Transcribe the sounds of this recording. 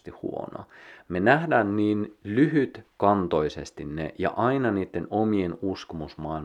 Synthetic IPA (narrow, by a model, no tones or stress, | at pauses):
t̪ihṵo̰no̰menæhdæːnniːnlyɦyt̪kɑnt̪o̞isest̪inːḛjɑ̰ʔɑinɑniːt̪ːenomienuskomusmɑil